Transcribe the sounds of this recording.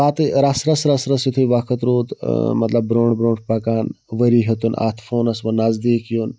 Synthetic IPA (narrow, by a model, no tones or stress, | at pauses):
at̪ɾɐsɾɐsɾɐsɾɐsit̪ʰuiʋakʰɐt̪ɾoːd̪mɐt̪lɐbbɾoːɳɖbɾõːɳɖpɐkaːn | ʋəɾiɦet̪una̰t̪ʰfoːnɐsʋɐnɐzd̪iːkjun